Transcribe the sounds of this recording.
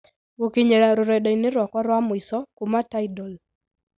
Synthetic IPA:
wokiɲeɾaɾʊɾɛɗɔinɪɾwakwaɾwamwisɔkumataidɔl

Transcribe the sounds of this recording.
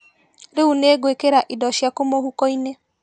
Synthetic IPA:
ɾeuneːɡwekeɾaʔidɔʃjakomohukɔine

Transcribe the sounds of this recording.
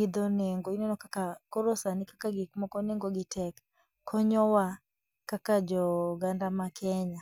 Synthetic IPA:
id̪ɔneŋɡoinɛnɔkakakoɾosanɪkakaɡikmɔkɔneŋɡoɡɪtɛk | kʰɔɲɔwa | kakad͡ʒɔɡandamakʰɛɲa

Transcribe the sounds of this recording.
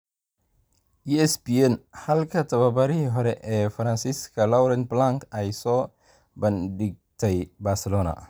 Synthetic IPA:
juɛsbiɛnhɐlkʰɐt̪ʰɐβɐbɐɾɪɦiːɦɔɾɛʔɛːfɐɾɐnsiskʰɐlɐwɾɛnblaŋkɛjsɔː | bɐndɪɡ̚t̪ʰɛjbaːrsɛlɔːnɐ̰

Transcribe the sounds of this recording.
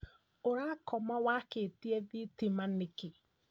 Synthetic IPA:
oɾakʰɔmɔwaketiɛðitimanɪkɪ

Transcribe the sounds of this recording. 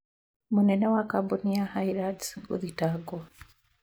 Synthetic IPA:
munenewakabunijahaiɾadɡṵðitaɡo

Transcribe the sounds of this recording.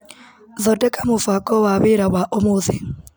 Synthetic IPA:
ðɔdɛkʼamʊfakʼɔwaβeɾaβwaʔomuði

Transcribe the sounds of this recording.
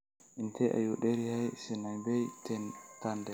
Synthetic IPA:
ʔintɛʔa̰juɗeɾihajsinajbɛjtʰɛnkandɛ

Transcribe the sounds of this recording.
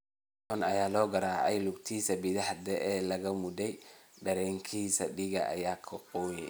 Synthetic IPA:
ɔnɐjaːlɔːɡɐɾaːʕɛ̰jlʊɡt̪ʰiːsɐbɪðɐhd̪ɛʔːlɐɣɐmʊd̪ɛjɖɐɾɛːŋkʰiːsɐ̰ɖɪɣɐʔɐ̰jaːkʰɐqɔːjɛ

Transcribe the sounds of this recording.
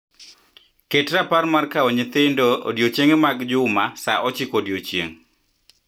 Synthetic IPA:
ketɾaparmarkaɔɲet̪ɪndo̰djot͡ʃeŋemaɡd͡ʒʊmasaʔɔt͡ʃɪkodjot͡ʃjeŋ

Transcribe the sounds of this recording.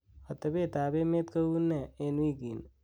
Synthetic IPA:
ət̪əbet̪aːbemet̪kəunːeenwiɡin

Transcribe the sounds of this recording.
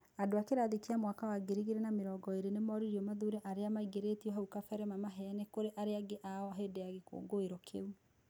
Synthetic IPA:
adoakeɾaðekiamwakawaɡeɾiɣeɾenameɾɔːɡɔeɾenemɔɾiɾiɔmaðuɾeʔaɾeamaiɡeɾetiɔɦaukafɛɾɛmamaɦɛnɛkoɾeʔaɾeaɡeʔaɔɦeːdeaɣeko̰ːɡoeɾɔkʰḛu

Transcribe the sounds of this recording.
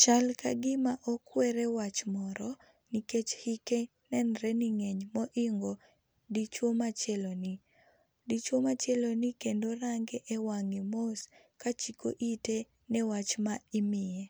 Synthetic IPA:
t͡ʃalka̰ɡɪmaʔɔkwɛɾɛwat͡ʃmɔɾɔ | niket͡ʃhike | nɛnɾɛniŋɛɲmɔʔiŋɡo | dit͡ʃwomat͡ʃɛloni | dit͡ʃwomat͡ʃelonɪkendoɾaŋɡɛʔɛwaŋimos | kat͡ʃikoʔite | nɛwat͡ʃmaɪmɪe

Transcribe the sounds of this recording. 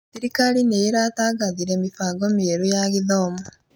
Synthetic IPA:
θiɾikalineiɾataɡaðiɾemifaɡomieɾujaɣiðoːmo

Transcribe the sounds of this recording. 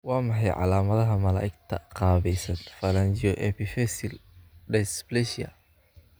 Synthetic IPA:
wɑːmɑħɑjʕɑ̰laːmɐðɐɦɐmɐla̰ːʔɪɡt̪ʰɐ̰qɑːβɛjsɐnfɐlɐnt͡ʃɔʔɛpʰifɛsɪlɖɛsblɛʃɐ̰

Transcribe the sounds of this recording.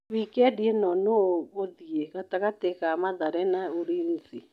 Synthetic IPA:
βikeɛdienɔnooɣoðieɣataɣateɣamaðaɾɛnaoɾiːnsi

